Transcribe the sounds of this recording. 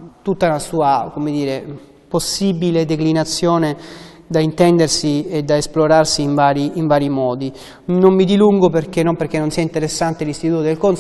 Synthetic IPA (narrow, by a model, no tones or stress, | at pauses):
t̪ut̪ːanasuːakomed̪iːɾe | posːibiled̪eklinat̪sːjoːne | d̪aint̪ɛnd̪ersied̪aesploɾarsiːɱvaːɾiiɱvaːɾimɔːd̪i | nommid̪iluŋɡoperk̟enːomperk̟ːenːonsiːaint̪eɾesːant̪elist̪it̪uːt̪od̪elkon